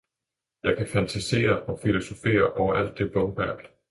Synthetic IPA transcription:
jɑ̈ɪkʰæfænt͡sʰæse̝̰ːɐɒ̽filo̝so̝fe̝̰ːɐʔɒʊɐʔæl̰d̥ːe̝ʋɔmb̥æɐ̰d̥

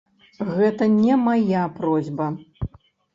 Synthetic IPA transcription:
ɣɛt̪ɐnʲɛmajapɾɔzʲbɐ

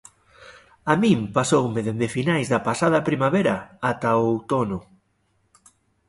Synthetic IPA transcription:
amĩmpasowmeðend̪ɪfinajzðɐpasað̞ɐpɾimaβeɾɐat̪ɐowt̪onʊ

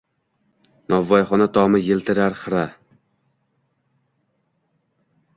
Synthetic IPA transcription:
nɒvːɒjχɒnat̪ʰɒmɪjɪlˠt̪ʰɪɾaɾχɨɾa

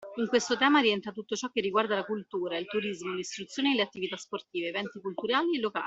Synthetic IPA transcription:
iŋkwest̪ot̪ɛːmaɾiɛnt̪ɾat̪ut̪ːot͡ʃɔkːerːiɡward̪alakult̪uːɾailt̪uɾizmolist̪ɾut̪sːjoːneleat̪ːivit̪asport̪iːveeːvɛnt̪ikult̪uɾaːlielːoka̰ː

